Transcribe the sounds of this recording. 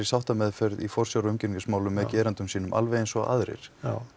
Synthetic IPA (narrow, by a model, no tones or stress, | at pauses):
ɾisawht̪amɛðfœɾðḭfɔr̥sjawɾʏmcɪniŋkɪsmaːwlʏmːɛðcɛːɾant̪ʏmsiːnʏmʔa̰lveɛjnsɔa̰ðɾɪ̰ɾ̥